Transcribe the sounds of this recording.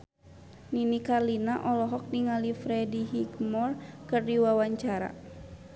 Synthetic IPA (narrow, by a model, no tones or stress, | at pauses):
ninikarlinaʔɔlɔɦɔk̚diŋalifɾɛdiɦiɡmɔrkɨrdiwawaɲt͡ʃaɾa̰